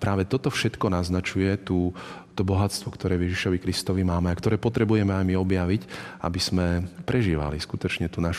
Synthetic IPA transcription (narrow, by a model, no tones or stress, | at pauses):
pɾaːʋɛt̪ɔt̪ɔfʃɛt̪kɔnaznat͡ʃujɛt̪uː | t̪ɔbɔɦatst̪ʋɔkt̪ɔɾɛːvjɛʒiʃɔʋikɾist̪ɔʋimaːmɛakt̪ɔɾɛːpɔt̪ɾɛbujɛmɛajmiɔbjaʋica̰biz̥mɛpɾʔɛʒiːʋa̰liskut̪ɔt͡ʃɲɛt̪unaʃu